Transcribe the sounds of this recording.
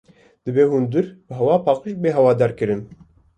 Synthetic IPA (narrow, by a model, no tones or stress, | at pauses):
d̪̥ɨbeːɦund̪ɨɾbɨɦɛwɑːpʰɑːqibeːɦɛwɑːd̪ɑːɾkɨɾɨn